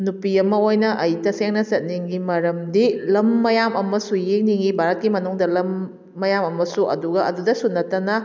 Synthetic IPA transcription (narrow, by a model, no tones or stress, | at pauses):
nupiɐmɐojnɐʔɐjtɐseŋnɐsɐt̚niŋɡimɐɾɐmdilɐmːɐjamɐmɐsujeŋ̚niŋɡibaɾɐt̚kimɐnuŋdɐlɐmː | ɐjamɐmɐsuʔɐ̰duɡɐʔɐdudɐsunːɐtɐnɐ